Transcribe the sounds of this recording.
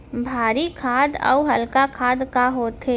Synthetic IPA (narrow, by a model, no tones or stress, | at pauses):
bʱaːɾikʰaːd̪ɔ̰ːuɦɐlkakʰaːd̪kaɦoːt̪eː